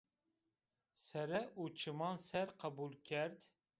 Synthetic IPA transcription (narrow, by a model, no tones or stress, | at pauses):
sæɾɛʔut͡ʃʰɪmɑnsæɾqʰɑbulˠkʲʰæɾd̪